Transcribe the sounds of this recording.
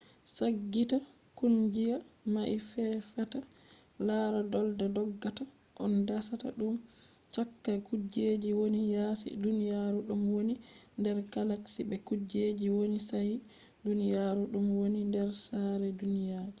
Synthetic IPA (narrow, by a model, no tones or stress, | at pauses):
saɡːita | kund͡ʒijamaʔifɛfata | laɾadɔldadɔɡːata | ʔɔndasata̰ɗum | t͡ʃakːakud͡ʒed͡ʒiwonijasḭdunijaɾuɗumwonindɛɾkalaksibɛkud͡ʒed͡ʒiwonisaj | dunijaɾuɗumwonindɛɾsaɾɛdunijad͡ʒi